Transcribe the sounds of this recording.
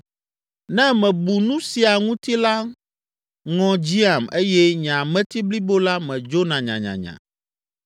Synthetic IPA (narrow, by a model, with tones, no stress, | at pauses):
nɛ̃˦mɛ̃˨bu˨nũ˦si˨a˨ŋũ˦t̪i˦la˦ | ŋɔ̃˦d͡ʑi˦a˨me˦jɛ˦ɲã˨mɛ̃˦t̪i˦bli˦bo˦la˦mɛ̃˨d͡ʒo˦nã˨ɲã̰˨ɲã̰˨ɲã̰˨